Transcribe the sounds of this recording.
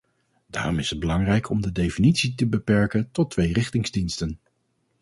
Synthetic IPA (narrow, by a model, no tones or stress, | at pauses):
d̥a̰ːrɔmɪsəd̚bəlɑŋrɛjkʰɔmdədejfinitsitəbəpɛɹkəntɔtʋejrɪχtɪŋzdinstən